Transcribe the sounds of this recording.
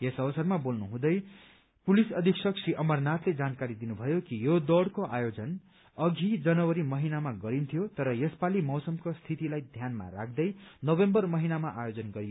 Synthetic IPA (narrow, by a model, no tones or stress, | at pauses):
jesʌʋʌsʌrmabolnuɦũd̪ʌj | pulisʌd̪ʱiksʌksiʔʌmʌrnat̪led͡zankaɾid̪inubʱʌjokijod̪ʌɽkoʔajod͡zʌn | ʌɡʱid͡zʌnʌwʌɾimʌɦinamaɡʌɾint̪ʰijot̪ʌɾʌjʌspalimʌwsʌmkost̪ʰit̪ilajd̪ʱjanma̰ɾa̰k̚ʰd̪ʌjnʌbembʌrmʌɦinamaʔajod͡zʌnɡʌɾijo